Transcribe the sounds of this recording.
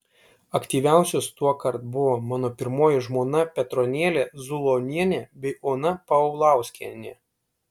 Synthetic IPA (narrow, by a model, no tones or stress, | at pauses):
ɐkt̪ʲiːʋʲæˑʊsʲʊst̪uɔkɐɾt̪̚bʊʋoːmɑːnoːpʲɪɾmoːjɪʒmoːnɐpʲɛt̪ɾoːnʲeːlʲeːzʊlˠoːnʲiɛnʲebʲɛɪoːnɐpɐʊlˠɑˑʊsʲkʲiɛnʲe